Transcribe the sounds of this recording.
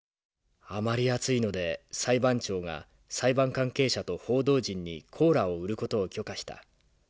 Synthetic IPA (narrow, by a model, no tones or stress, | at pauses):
amaɾʲiat͡sɨino̞d̪e̞saibãɲt͡ɕo̞ːɡa̰ | saibãŋkãŋke̞ːɕat̪o̞ho̞ːd̪o̞ːʑĩɲ̟ːḭkʰo̞ːɾao̞ɯ̟ɾɯ̟ko̞t̪o̞ːkʲo̞kaɕi̥t̪a̰